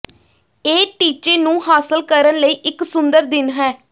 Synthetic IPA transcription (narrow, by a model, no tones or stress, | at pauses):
eːʈiːt͡ʃeːnũːɦaːsəlkəɾənləiːʔɪksʊnd̪əɾd̪ɪnɦɛː